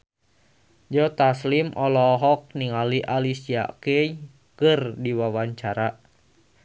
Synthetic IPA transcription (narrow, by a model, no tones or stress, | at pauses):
d͡ʒɔt̪aslimɔlɔɦɔk̚niŋaliʔalisia̰kei | kɨrdiwawaɲt͡ʃaɾa